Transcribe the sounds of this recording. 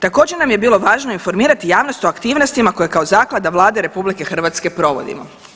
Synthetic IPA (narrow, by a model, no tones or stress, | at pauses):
t̪ako̞ːd͡ʑeɾnamje̞biːlˠo̞ʋaːʒno̞info̞ɾmiːɾat̪ijaːʋnost̪o̞akt̪iːʋno̞st̪imako̞jekaozaːklˠad̪aʋlˠaːd̪e̞ɾe̞publike̞xr̩ʋat̪ske̞pɾo̞ʋo̞̰d̪ḭmo̞̰